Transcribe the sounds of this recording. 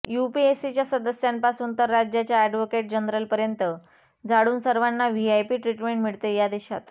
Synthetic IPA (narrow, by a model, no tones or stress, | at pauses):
jupiesit͡ɕjasəd̪əsjampasuːnt̪əɾːad͡ʑjat͡ɕjaɛɖʋokeʈ̚d͡ʑənɾəlpəɾjənt̪ə | d͡zʱaɽuːnsəɾʋanːaʋiajpiːʈɾiʈmeɳʈmiɭt̪ejad̪eɕa̰t̪